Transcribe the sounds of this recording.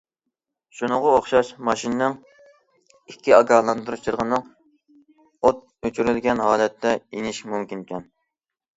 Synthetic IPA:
ʃunɨʁɑoχʃɑʃmɑʃinɨnɨŋ | ikʲʰːiɑɡɑːlˠɑnd̪uɾut͡ʃʰɨɾʁənːɨŋ | ot̪̚ | øt͡ʃʰyɾylɡʲɛnɦɑːlɛt̪ʰːɛinɪʃmumkʲinkʲʰɛn

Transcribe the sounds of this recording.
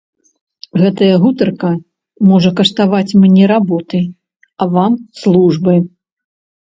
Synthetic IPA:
ɣɛt̪ɐjɐɣut̪ɐrkɐ | mɔʐɐkɐʂt̪avat͡sʲmnʲɛɾabɔt̪ɨ | ɐvamslˠuʐbɐj

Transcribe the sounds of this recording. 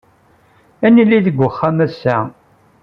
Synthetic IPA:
ænilːiðəɡʷːəχːæmæsːæ

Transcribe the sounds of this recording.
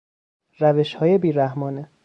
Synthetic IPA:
ɾæve̞ʃhɒːje̞biːɾæhmɒːne

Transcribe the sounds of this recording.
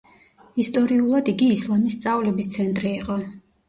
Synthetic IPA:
ist̪ʼɔɾiulˠad̪iɡiːslˠamist̪sʼavulɛbist̪sʰɛnt̪ʼɾiːqʼɔ

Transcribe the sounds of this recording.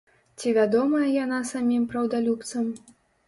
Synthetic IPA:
t͡sʲivʲad̪ɔmɐjɐjanasamʲimpɾɐwd̪alʲup̚t̪sɐm

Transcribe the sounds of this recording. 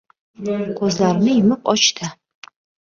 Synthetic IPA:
qʰɵzlaɾnɪjɪmɨqɒt͡ʃt̪ʰa

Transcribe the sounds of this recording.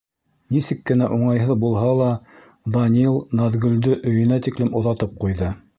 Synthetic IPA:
nisɘkːɘ̆næʔuɴɑjɦɤðbulˠɦɑlˠɑ | d̪ɑnʲilˠnɑðɡɵ̆ld̪ɵʔɵ̆jɵ̆næt̪iklɘmŏðɑt̪ɤp̚qujðɤ

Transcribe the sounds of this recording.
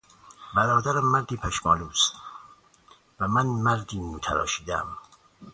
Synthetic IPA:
bæɾɒːd̪æɾæmːæɾd̪iːpʰæʃmɒːluːst̪ | væmænmæɾd̪iːnuːt̪ʰæɾɒ̰ːʃiːd̪ææ̰m

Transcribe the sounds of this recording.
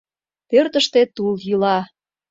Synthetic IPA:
pørt̪əʃt̪et̪uljylɑ

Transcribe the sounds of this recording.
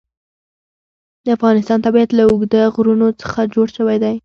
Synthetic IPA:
d̪əafɣɑnɪst̪ɑnt̪abjad̪laʊɡd̪əɣɾunot͡sə̥xad͡ʒoɽʃəwajd̪aj

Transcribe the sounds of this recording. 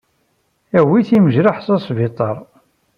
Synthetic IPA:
æwiθiməʒɾaħsɑsˤvit̪ˤɑɾˤ

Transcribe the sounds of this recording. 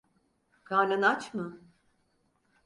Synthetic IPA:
kʰaːnʲanat͡ʃmɯ

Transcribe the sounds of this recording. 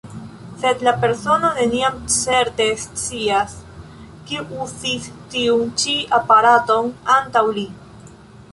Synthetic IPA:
se̞d̪lape̞ɾso̞none̞niamt͡se̞ɾte̞st͡sias | kiʔuzistiunt͡ʃiapaɾato̞nantawli

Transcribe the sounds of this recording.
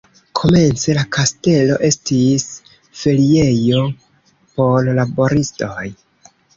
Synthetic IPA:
kʰo̞me̞nt͡se̞lakʰaste̞lo̞̰ʔe̞stis | felie̞jo̞ | po̞llabo̞ɾisto̞j

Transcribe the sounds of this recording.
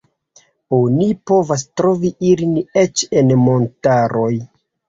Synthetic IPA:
onipo̞vas̬tɾo̞viʔiline̞t͡ʃenmo̞ntaɾʔo̞j

